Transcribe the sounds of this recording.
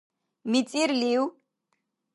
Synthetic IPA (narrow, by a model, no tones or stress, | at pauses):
mit͡sʼiɾliw